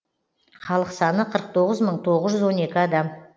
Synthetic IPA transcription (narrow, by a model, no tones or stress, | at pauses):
χɑlˠəqsɑnəqʰəɾəq̚t̪ʰo̞ʁəzməɴt̪ʰo̞ʁəzʒʏzwo̞ne̞kʲɪɑd̪ɑm